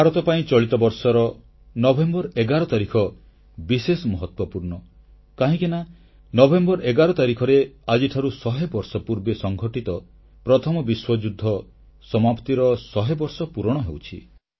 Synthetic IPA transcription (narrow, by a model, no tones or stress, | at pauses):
bʱaɾɔt̪ɔpaĩt͡ʃɔɭit̪ɔbɔɾsɔɾɔ | nɔbʱembɔɾeɡaɾɔt̪aɾikʰɔ | bisesɔmɔɦɔt̪wɔpuɾɳɔ | kaɦĩkena | nɔbʱembɔɾeɡaɾɔt̪aɾikʰɔɾead͡ʒiʈʰaɾusɔɦebɔɾsɔpuɾbesɔŋɡʱɔʈit̪ɔ | pɾɔt̪ʰɔmɔbiswɔd͡ʒud̪ʱːɔ | sɔmapt̪iɾɔsɔɦebɔɾsɔpuɾɔɽ̃ɔɦewt͡ʃʰḭ